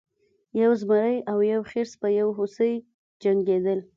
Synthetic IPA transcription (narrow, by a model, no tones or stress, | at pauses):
jawzməɾəjawjawxeɾspəjawɦosəj | d͡ʒaŋɡed̪əl